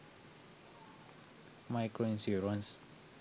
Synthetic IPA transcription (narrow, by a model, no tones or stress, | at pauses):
majkɹoĩnsuɹãns